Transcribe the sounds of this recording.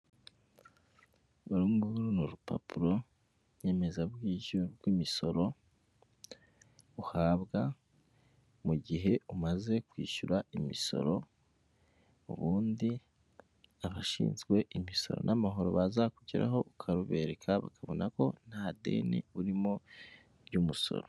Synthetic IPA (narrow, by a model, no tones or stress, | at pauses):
uɾuːmɡuuɾunuɾupa̰puɾo̞ | ɲe̞ːme̞zaβɡiːoɾɡwiːmiso̞ɾo̞ | uhaːβɡa | muɟiɦe̞umaze̞kwiːʃuɾaimiso̞̰ɾo̞ | ṵβuːndi | aβaʃḭːnzɡwe̞ʔimiso̞̰ɾo̞̰nʔamaɦo̞ɾo̞βazakuɟiɾa̰ɦo̞ukʰaɾuβe̞ɾekʰaβa̰kʰaβo̞nako̞n̥hade̞̰nḭuɾimo | ɾɟumuso̞̰ɾo